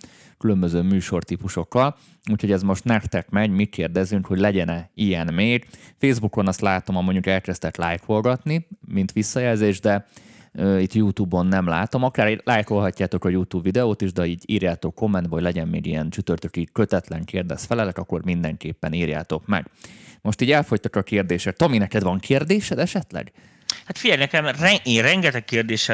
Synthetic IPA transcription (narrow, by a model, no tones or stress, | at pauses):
kylømbøzøːmyːʃo̞rt̪ipuʃo̞kːɒl | uːcho̞ɟɛzmo̞ʃt̪nɛkt̪ɛkmɛɟmikeːrd̪ɛzyŋkho̞ɟlɛɟɛnɛijɛnmeːɡfeːzbuko̞nɒst̪laːt̪o̞mɒmoɲɟukɛlkɛst̪ɛt̪laːjkho̞lɡɒt̪nimint̪ʋisːɒjɛlzeːʒd̪ɛøːit̪ːjuːt̪uːbo̞nːɛmlaːt̪o̞mɒkaːrlaːjkho̞lɦɒcːaːt̪o̞kɒjuːt̪uːbvid̪ɛoːt̪iʒd̪ɛiːɟḭːrjaːt̪o̞kːo̞mːɛnt̪bɦoɟlɛɟɛnmḛːɡijɛnt͡ʃyt̪ørt̪økiːkøt̪ɛt̪lɛŋkeːrd̪ɛsfɛlɛlɛkɒkːo̞rmind̪ɛŋkeːpːɛniːrja̰ːt̪o̞kmɛ̰ɡ̥mo̞ʃt̪iːɟɛlfo̞ct̪ɒkɒkeːrd̪eːʃɛt̪t̪ɒminɛkɛd̪ʋɒŋkʰeːrd̪eːʃɛd̪ɛʃɛt̪lɛ̰ɡ | hat̪fiɟɛlnɛkɛlmɛrɛeːrɛŋɡɛt̪ɛkːeːrd̪eːʃɛ